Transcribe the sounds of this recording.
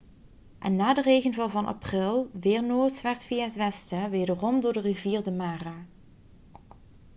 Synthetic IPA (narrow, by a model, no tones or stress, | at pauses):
ʔɛnːaːdərejɣənvɑlˠvɑnʔɑ̰prɪlˠʋɪːɹnoːɹtʋɛɹtfijaːɦətʋɛstəʋejdərɔmdʊːɹdəriviːɹdəmaːraː